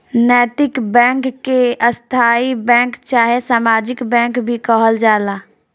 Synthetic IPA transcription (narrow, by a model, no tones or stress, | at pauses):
nɛːt̪ɪkbɛ̃ːŋkːeəst̪ʰaːibɛ̃ːŋkt͡ʃaːɦesaːmaːd͡ʒɪkbɛ̃ːŋkbʱikəɦəld͡ʒaːlaː